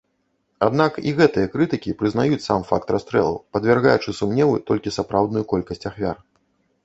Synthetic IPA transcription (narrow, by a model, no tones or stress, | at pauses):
ad̪nakiɣɛt̪ɨjɐkɾɨt̪ɨkʲipɾɨzn̪ajut͡sʲsamfak̚t̪rast̪ɾɛ̰lˠṵpɐd̪vʲɛrɣajut͡ʂɨsumnʲɛvɨ̰t̪ɔlʲkʲisapɾawd̪nujukɔlʲkɐsʲt͡sʲaxvʲar